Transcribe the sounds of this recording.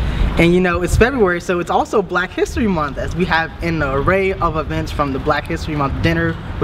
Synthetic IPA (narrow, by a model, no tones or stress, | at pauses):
ʔɨ̃njɨnoʊɨtsfɛbɹʉɛɹisoʊɨtsɔlˠsoʊblækhɪstɹ̥imʌ̃nθɨzwiɨvɨ̃nəɹeɪʔʌvəvɛ̃ntsfɹʌ̃mðəblækhɪstɹ̥imʌ̃θd̥ɪ̃ñə˞